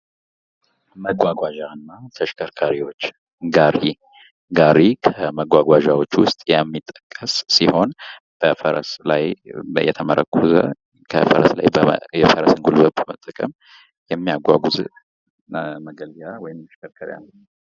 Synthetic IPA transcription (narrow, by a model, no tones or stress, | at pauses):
məɡʷaɡʷaʒaɨnːat̪ʰəʃkʰəɾkʰaɾiwo̞t͡ʃː | ɡaɾi | ɡaɾikʰəməɡʷaɡʷaʒawo̞t͡ʃːwʊst̪ʼjɛmːit̪ʼːəkʼːəsːiho̞n | b̥əfəɾə̰slajjɛt̪ʰəməɾʔə̰kʼʰːuzə̰ | kʰə̰fəɾəsla̰jbjɛfəɾəsɨŋɡulbəbəmət̪ʼːəkʼəm | jɛmːijaɡʷa̰ɡuz | məɡəlɡjawɔjɪməʃkəɾkʰəɾja̰n